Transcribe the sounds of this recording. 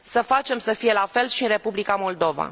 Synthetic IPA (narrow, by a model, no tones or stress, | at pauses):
səfat͡ʃe̞msəfije̞lafe̞lʃiɨnɾe̞publikamo̞ld̪o̞va̰